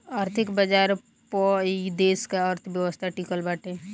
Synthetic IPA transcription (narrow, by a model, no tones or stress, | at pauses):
aɾt̪ʰɪkbəd͡ʒaːɾ | pɔd̪eːskaːɾt̪ʰbjəʋəst̪ʰaʈikəlbaːʈẽ